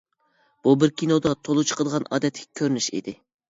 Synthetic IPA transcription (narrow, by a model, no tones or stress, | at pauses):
b̥ubɪɾkʲinod̪ɑt̪ʰolˠut͡ʃʰə̥qʰəd̪əʁɑnɑ̰ːd̪ɛt̪ʰːɪ̥kʲʰɛkʲʰøɾynyʃḭd̪ɪ